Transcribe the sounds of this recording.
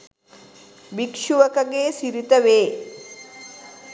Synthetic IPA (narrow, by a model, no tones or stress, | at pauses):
ʋikʂuʋɐkɐɡeːsiɾit̪ɐʋeː